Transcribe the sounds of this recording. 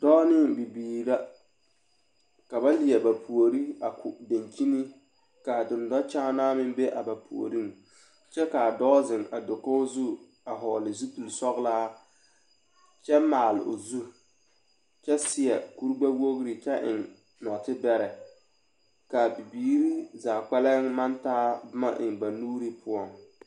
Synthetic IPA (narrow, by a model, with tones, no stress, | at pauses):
dɔː˦nɪ˦ŋbi˨biː˨ɾa˦ | ka˨ba˦lɪ˨ɛ˨ba˨pʰu˨o˨ɾi˦a˨kʰʊ˨da˨nt͡ʃi˦ni˦ | ka˨dʊ˨ndɔ˦t͡ʃa˦naː˦mɪ˦be˦ʔa˨ba˨pʰṵ˨o̰˨ɾi˦ŋ | t͡ʃɛ˦ka˨dɔː˦zɪ˨ŋa˨do˨ko˦o˦zu˦ | a˨ɦɔː˨lɪ˨zu˦tu˨lsɔ˦ɣlaː˦ | t͡ʃɛ˦maː˨lɪ̰˨o̰˨zu˦ | t͡ʃɛ˦sɪ˨ɛ˨ku˦ɾɡ͡ba˦wo˦ɣɾi˨t͡ʃɛ˦ʔɪ̰˨ŋ | nɔ˨tɪ˦bɛ˦ɾɛ˨ | ka˨bi˨biː˨˦ɾi˦zaː˨k͡pɛ˦lɛ˦ŋma˦ntaː˦bʊ˦ma˦ʔɪ̰˨ŋba˨nuː˦ɾi˦pʊ˦ɔ˨ŋ